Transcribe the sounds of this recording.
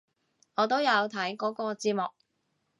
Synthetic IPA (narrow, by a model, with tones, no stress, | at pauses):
ŋɔː˨˧t̪o˥wjɐ˨˧wt̪ʰɐ˨˥jkɔː˨˥kɔː˧t͡siː˧t̚mʊ˨k̚